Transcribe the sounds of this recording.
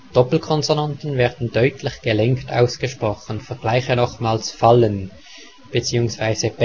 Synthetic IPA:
d̥ɔpl̩kʰɔnzonantn̩vɛːʁd̥n̩dœʏtʰlɪçɡ̥əlɛŋkta̰ʊsɡ̥əʃpʁ̥ɔχənfɛɐɡ̥laɪçənɔχmaːlsfalən | b̥ət͡siːʊŋsv̥aɪzəb

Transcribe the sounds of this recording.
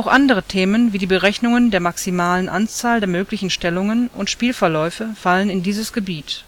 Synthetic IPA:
ʔaʊxʔandəʁ̞ətʰeːmənviːdiːbəʁɛçnʊŋəndeːɐmaksimaːlənʔant͡saːldeːɐmøːklɪçn̩ʃtɛlʊŋənʊ̰ntʃpiːlfɛɐlɔʏfəfalənɪndiːzəsɡ̥əbiːt

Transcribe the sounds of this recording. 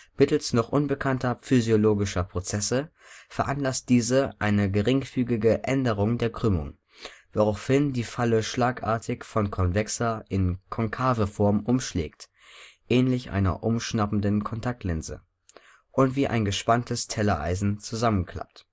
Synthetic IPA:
mɪtl̩snɔχʔʊnbəkʰantʰɐfyzjoloːɡɪʃɐpʁ̥ot͡sɛsə | fɛɐʔanlast̚d̥iːzəʔaɪnəɡəʁɪŋfyːɡɪɡəʔɛndəʁʊŋdeːɐɡʁ̥ʏmʊ̰ŋ | voʁaʊfhɪndiːfaləʃlaːkʔa̰ːɐtʰɪçfɔnkʰɔnvɛksɐʔɪnkʰɔŋkʰaːvəfɔɐmʔʊmʃlɛ̰ːkt | ʔɛːnlɪçʔa̰ɪnɐ̰ʔʊmʃnabn̩dənkʰɔntʰak̚tʰlɪnzə̰ | ʔʊntv̥iːʔa̰ɪnɡəʃpantʰəstʰɛlɐʔa̰ɪzn̩t͡suzamənkʰl̥a̰p̚t

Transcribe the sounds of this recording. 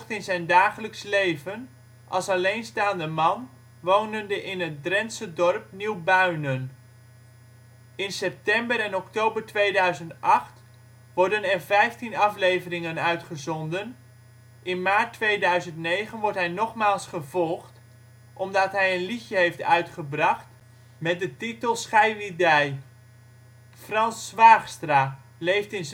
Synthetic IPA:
χtɪnzɛjndaːχələkslejvən | ʔɑ̰lˠsɑlejnstaːndəmɑn | ʋownəndəʔɪnət̚drɛnsədɔrp̚niwbœɥnən | ɪnsɛp̚tɛmbəɾɛnɔktowbəɹtʋejdœɥzəntɑχt | ʋɔɹdənɛrvɛjftinɑflejvərɪŋənœɥtχəzɔndən | ʔɪnmaːɹtʋejdœɥzəntnejχənʋɔɹtɦɛjnɔχmaːlˠsχəvɔlˠχt | ʔɔmdɑtɦɛjənlixjəɦejftœɥtχəbrɑχt | mɛt̚dətitəlˠsχajʋidɛj | frɑnsʋaːχstra | lejftɪn

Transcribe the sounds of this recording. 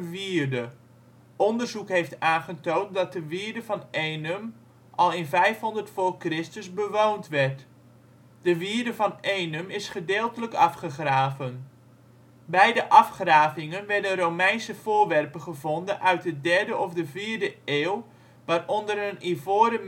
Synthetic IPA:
ʋiːɹdə | ʔɔndərzukɦejftaːnχətowntdɑt̚dəʋiːɹdəvɑnʔejnəm | ʔɑlˠɪnvɛjfɦɔndərtfʊːrkrɪstəzbəʋowntʋɛɹt | d̥əʋiːɹdəvɑnejnəmɪsχədeːlˠtələkɑfχəχraːvən | bɛjdəʔɑfχraːvɪŋənʋɛɹdənrowmɛjnsəv̥ʊːɹʋɛrpəχəvɔndənʔœɥt̚dədɛɹdəʔɔfdəviːɹdəeːlˠ | ʋaːrɔndəɾənivoːɾəm

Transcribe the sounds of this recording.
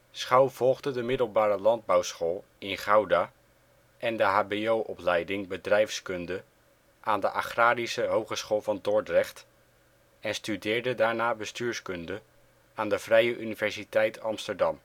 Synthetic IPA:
sχɑwv̥ɔlˠχdədəmɪdəlˠbaːɾəlɑnd̚bɑwsχoːlˠ | ɪnχawdaː | ʔɛndəɦaːbejowʔɔplɛjdɪŋbədrɛjfskɵndə | ʔaːndəʔa̰χraːɾisəɦowχəsχoːlˠvɑndʊɹtrɛχt | ɛnstydɪːɹdədaːɹnaːbəstyːɹskɵndə | aːndəv̥rɛjəʔynivɛɹsitɛjtʰɑmstəɹdɑm

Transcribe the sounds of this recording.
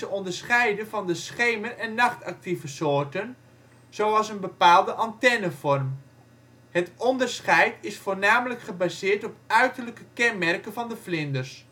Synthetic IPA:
əɔndəɹsχɛjdəvɑndəsχejmənɛnːɑχtɑk̚tivəsoːɹtən | z̥owɑlˠsənbəpaːlˠdəʔɑntɛnəfɔrm | hətɔndərsχɛjtɪsfoːɹnaːmələkχəbaːzɪːɹtɔp̚œɥtəɹləkəkɛnmɛrkənvɑndəflɪndərs

